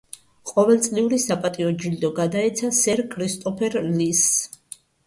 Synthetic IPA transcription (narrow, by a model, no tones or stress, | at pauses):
qʼɔvɛlˠt̪sʼliuɾisapʼat̪ʼiɔd͡ʒild̪ɔɡad̪aɛt̪sʰasɛɾkʰɾist̪ʼɔpʰɛɾlis